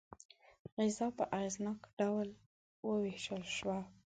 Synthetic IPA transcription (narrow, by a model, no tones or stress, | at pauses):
ɣɪzɑpəʔaznɑkɖawl | wəweʃəlʃwa